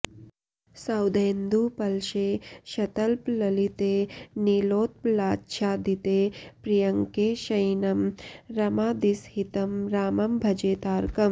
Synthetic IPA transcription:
sɐwd̪eːnd̪upɐlʃeːʃɐt̪ɐlplɐlit̪eːniloːt̪̚laːtːʃʰaːd̪it̪eːpɾijɐŋkeːʃɐjnɐmɾɐmaːd̪ishit̪ɐmɾaːmɐmbʱɐd͡ʒeːt̪aːɾkɐm

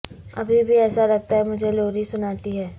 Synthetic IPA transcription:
ɐbʱibʱiɛːsaɾɐɡ̚t̪aɦɛmʊd͡ʒʱeloːɾisʊnaːt̪iɦɛː

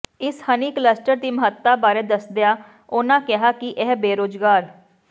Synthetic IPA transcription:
ɪshəniːkləsʈəɾt̪iːməɦət̪ːaːbaːɾeːd̪əsd̪ejaː | oːnãːkɪɦaːkɪʔɛɦbeːɾoːd͡ʒɡaːɾ

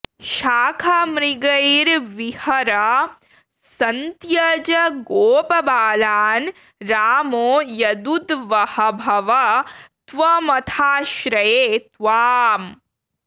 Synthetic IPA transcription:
ʃaːkʰamɾiɡɐjɾʋihɐɾɐ | sɐnt̪jɐd͡ʒɐɡoːpɐbaːlaːn | ɾaːmoːjɐd̪ud̪ʋɐhɐbʱɐʋɐt̪ʋɐmɐt̪ʰaːʃɾɐjeːt̪ʋaːm

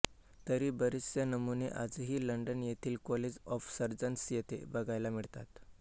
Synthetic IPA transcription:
t̪əɾiːbəɾisjənəmuneʔad͡zɦiːləɳɖənjet̪ʰiːlkɔled͡zɔfsəɾd͡zənsjet̪ʰḛbəɡʱajlamiɭt̪at̪

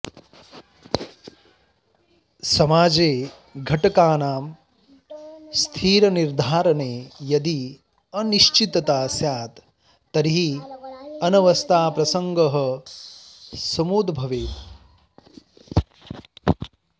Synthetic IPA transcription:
sɐmaːd͡ʒeː | ɡʱɐʈɐkaːnaːm | st̪ʰiːɾɐniɾd̪ʱaːɾɐneːjɐd̪i | ɐniʃt͡ʃit̪ɐt̪aːsjaːt̪ː | ɐɾiɦi | ɐnɐʋɐst̪ʰaːpɾɐsɐŋɡɐɦɐ | sɐmuːd̪bʱɐʋeː

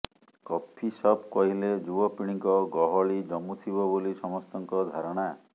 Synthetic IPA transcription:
kɔpʰːisɔbkɔɦiled͡ʒubɔpiɽ̃iŋkɔɡɔɦɔɭid͡ʒɔmut̪ʰibɔbolisɔmɔst̪ɔŋkɔd̪ʱaɾɔɽ̃a

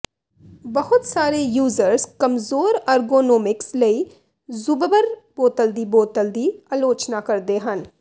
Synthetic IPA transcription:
bɐɦʊt̪saːɾejuːzəɾskɐmzoːɾaːɾɡoːnoːmɪksləi | zʊbbəɾboːt̪əld̪iboːt̪əld̪iaːloːt͡ʃnakɐɾd̪eɦɐn

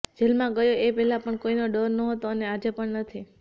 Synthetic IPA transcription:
d͡ʒelmãɡəjoepɛɦlapəɳkoinoɖəɾnəɦət̪oənead͡ʒepəɳnət̪ʰi

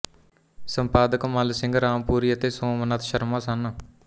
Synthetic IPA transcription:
səmpaːd̪əkmalsɪ̃ŋɡɾaːmpuːɾiːət̪eːsõːmənat̪ʰʃəɾmaːsan

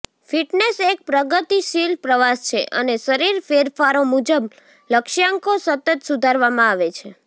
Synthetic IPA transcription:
fiʈnesek̚pɾəɡət̪iʃilpɾəʋast͡ʃʰeʔə̰neʃəɾiɾfeɾfaɾomud͡ʒəb | ləkʃjaŋkosət̪ət̪sud̪ʱaɾʋamãaʋet͡ʃʰe

